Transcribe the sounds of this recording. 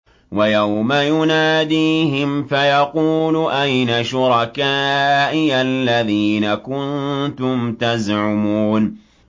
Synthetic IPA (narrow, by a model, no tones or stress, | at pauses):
wajawmajʊnaːd̪iːɦɪmfajɑquːlʊʔajnaʃʊɾˤɑkaːʔɪalːaðiːnakʊnt̪ʊmt̪azʕʊmuːn